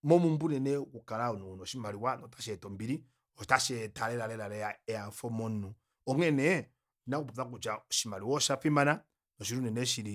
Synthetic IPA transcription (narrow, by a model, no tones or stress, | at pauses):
mɔmumbunɛnɛkukaɾaunɔnɔʃimaɾiwanɔtḁʃɛtɔmbiɾi | ɔtaʃɛtaɾɛɾaɾɛɾaɾɛjaɛaɱfɔmɔnu | ɔŋɛnɛ | nakupuθak̬ut͡ʃaɔʃimaliwɔʃafimana | nɔʃ̬iɾunɛnɛʃiɾi